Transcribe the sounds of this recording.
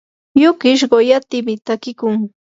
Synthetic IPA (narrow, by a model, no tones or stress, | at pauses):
jʊkɪʃ̬ɢojat̪ɪmɪt̪akɪkʊŋ